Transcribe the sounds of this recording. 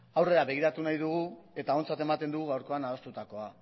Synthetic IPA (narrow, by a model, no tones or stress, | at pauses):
awre̞ɾaβe̞ɣ̞iɾat̪unajðuɣ̞ue̞t̪ao̞nt͡sat̪e̞mat̪e̞nd̪uɣuɣawɾko̞anaðo̞st̪ut̪ako̞a